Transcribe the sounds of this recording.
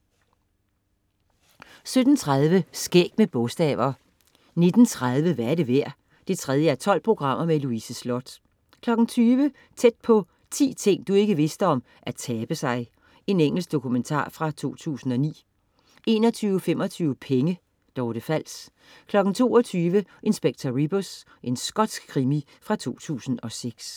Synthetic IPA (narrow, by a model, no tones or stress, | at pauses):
sød̥n̩t͡sʰʁaðˠʋəsɡ̥ḛːɡ̥̚meb̥ɔ̽sd̥ɛ̰ːʋɐː | ne̝d̥n̩t͡sʰʁað̞ˠʋəʋæɐɾe̝ʋæɐ̰ | d̥e̝t͡sʰʁɛð̞ˠjəæɐt͡sʰɒ̽l̰pʰʁo̝ɡ̥ʁɑ̈m̰ɐmeluisəslɔd̥ | kʰlɒ̽ɡ̥n̩t͡sʰyːʋə | t͡sʰed̥̚pʰɒ̽ | t͡sʰḭːt͡sʰe̝ŋ̰d̥ue̝ɡ̥əʋe̝sd̥əɒ̽m | ʔæt͡sʰɛːb̥əsɑ̈ɪ | e̝neŋ̰l̩sɡ̥d̥o̝kʰument͡sʰɑ̰̈ːfʁɑ̈t͡sʰo̝̰ːt͡sʰṵːsn̩ɒ̽nḭː | e̝̰ːnɒ̽t͡sʰyːʊfem̰ɒ̽t͡sʰyːʊəpʰeŋə | d̥ɒʊd̥e̝fæl̰s | kʰlɒ̽ɡ̥n̩t͡sʰo̝̰ːɒ̽t͡sʰyːʋəʔe̝nsb̥eɡ̥̚t͡sʰɐʁib̥os | ʔe̝nsɡ̥ɒ̽d̥sɡ̥kʰːʁimi | fʁɑ̈t͡sʰo̝̰ːt͡sʰṵːsn̩ɒ̽seɡ̥s